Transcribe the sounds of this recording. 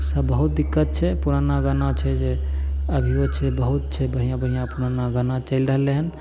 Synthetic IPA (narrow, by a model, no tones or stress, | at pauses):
səbːəɦut̪̚d̪ikːət̪̚t͡ʃʰɛpuɾanaɡənat͡ʃʰɛd͡ʒe | əbʱiot͡ʃʰɛbəɦut̪̚t͡ʃʰɛbəɽ̤ijãbəɽ̤ijãpuɾanaɡənat͡ʃəɪlɾəɦəlːeɦən